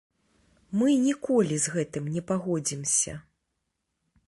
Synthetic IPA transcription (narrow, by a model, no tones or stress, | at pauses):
mɨnʲikɔlʲizɣɛt̪ɨmnʲɛpaɣɔd͡zʲimsʲɐ̰